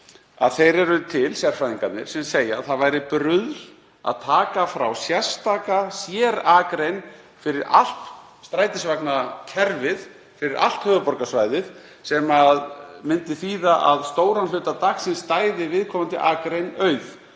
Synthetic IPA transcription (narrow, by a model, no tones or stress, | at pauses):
a̰ðθejɾɛɾʏt̪ʰɪlsjar̥fɾajðiŋkat̪nɪ̰ɾ̥sɛmseːjaðθaðvajɾɪpɾʏðl | a̰ðt̪ʰaːkafɾawsjḁst̪aːkasjɛːɾaːkɾejn | fɪɾɪɾa̰l̥t̪ | st̪ɾaːjt̪ɪsvaknacʰɛɾvɪð | fɪɾɪɾa̰l̥t̪hœːɣðʏpɔɾkasvajðɪð | sɛmaðmɪnt̪ɪθiːðaʔa̰ðst̪oːwɾanlʏːt̪at̪axsɪnst̪aːjðɪvɪðkʰɔːmant̪ɪ̰ʔaːkɾejnœːɥf